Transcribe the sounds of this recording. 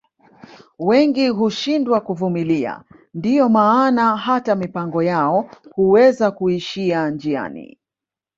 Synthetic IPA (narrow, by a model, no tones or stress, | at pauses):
wɛŋɡiɦuʃindwakuvumilia̰ | ndijɔmaːnaɦatamipaŋɡɔjaɔhuwɛzakuiʃiand͡ʒia̰nḭ